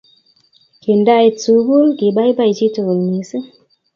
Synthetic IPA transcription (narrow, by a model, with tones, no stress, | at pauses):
ke˨nda˦jt͡su˨bu˦lki˨ɓa˦jba˦˨jt͡ʃi˦to˨lni˨si˦